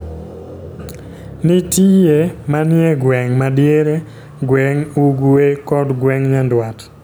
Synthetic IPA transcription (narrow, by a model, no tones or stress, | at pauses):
nitijemanɪeɡwɛŋmadjeɾe | ɡwɛŋuɡuekɔdɡwɛŋɲandwat